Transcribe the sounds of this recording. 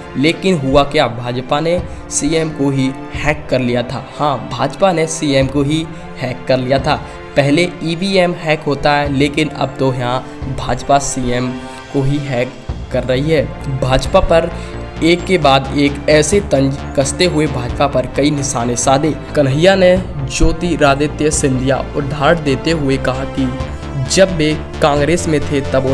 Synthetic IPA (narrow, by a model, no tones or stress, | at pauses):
leːkɪnɦʊakejaːbʱaːd͡ʒpanesiːeːmkoɦi | hɛːkːɐɾlijat̪ʰa̰ːhãːbʱaːd͡ʒpanesiːeːmkoɦi | hɛːkːɐɾlijat̪ʰaː | pɛɦleiːbiːɛːmhɛːkɦoːt̪aɦɛleːkɪnɐ̰b̚t̪ojɦã | bʱaːd͡ʒpasiːeːm | koɦiɦɛːkː | ɐɾːɐɦiɦɛːbʱaːd͡ʒpapɐɾ | eːkːebaːd̪eːkɛːset̪ɐə̃ɲd͡ʒkɐst̪eɦʊebʱaːd͡ʒpapɐɾkɐinɪʃaːnesaːd̪ẽːkɐnɦɪjaned͡ʒoːt̪iɾaːd̪et̪jəsɪ̃nd̪ʱija̰ʊd̪ʱːaːɾd̪eːt̪eɦʊekɐɦaki | d͡ʒɐbːe | kãːŋɡɾeːsmẽt̪ʰet̪ɐbo